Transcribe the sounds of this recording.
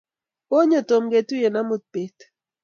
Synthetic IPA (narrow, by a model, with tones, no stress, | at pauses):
o˦ɲo˨to˨mɡe˨tu˦je˨na˦mʊ˦t̪̚pe˨˦t